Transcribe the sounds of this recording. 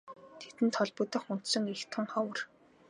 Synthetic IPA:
t̪ʰet̪ɘ̆nt̪ʰɔɮpɵt̪ə̆χʊn̥t̪sɞ̆ŋext̪ʰʊ̆ŋχawə̆r

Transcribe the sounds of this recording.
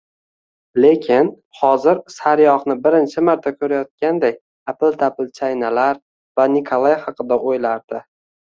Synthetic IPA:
le̞kʲʰɪn | χɒzɪɾsaɾjɒχnɪbɪɾɪnt͡ʃʰɪmaɾt̪ʰakʲʰɵɾajɒt̪̚kʲand̪aj | apɪlˠt̪ʰapɪlˠt͡ʃʰajnalaɾ | vanɪkʰolˠajhɑqʰɨd̪aʔojlaɾd̪̥ɪ

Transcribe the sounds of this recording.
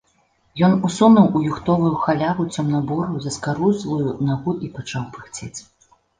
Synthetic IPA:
jɔnusunɐwujuxt̪ɔvujuxalʲavut͡sʲɔmnɐbɔɾuwzʲɐskaɾuzlˠujunaɣuʔipat͡ʂawpɨxt͡sʲet͡sʲ

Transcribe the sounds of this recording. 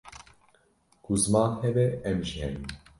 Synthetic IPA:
kʰuzɨmɑːnhɛbɛɛmʒihɛnim

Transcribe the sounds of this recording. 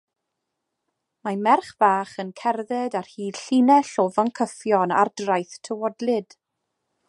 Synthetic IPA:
mamɛrχv̥aːχənkʰɛrðɛdarhiːd̥ɬinɛɬɔvəŋkʰəfjɔna̰rdrajθtʰəwɔdlɪd̥

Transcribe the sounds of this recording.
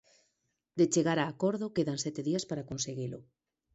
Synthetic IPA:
d̪et͡ʃeɣaɾaːkɔɾðokeðansɛt̪eðiaspaɾakonseɣilʊ̰

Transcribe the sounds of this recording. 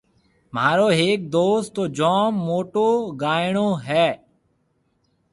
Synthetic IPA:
m̤aːɾoːɦeːk̚d̪oːst̪ːoːd͡ʒɔːmːoːʈoːɡaːɪɳoːɦɛː

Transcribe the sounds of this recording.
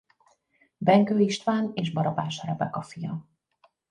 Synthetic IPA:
bɛŋkøːiʃt̪ʋaːneːʒbɒɾɒbaːʃɒɾɛbɛkɒfijɒ

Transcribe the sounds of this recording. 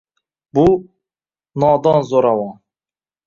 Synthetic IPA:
bu | nɑːd̪ɑnzoɾɑwɑn

